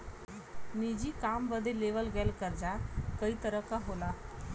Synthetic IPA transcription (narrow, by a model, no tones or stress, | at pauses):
nid͡ʑiːkambəd̪ʱeleʋəlɡɛlkəɾd͡zakəiːt̪əɾəkaɦola